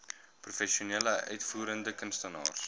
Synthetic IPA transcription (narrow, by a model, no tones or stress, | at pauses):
prufɛʃiuneːləœ̰ɥtfuːɾəndəkənstənɑ̰ːrs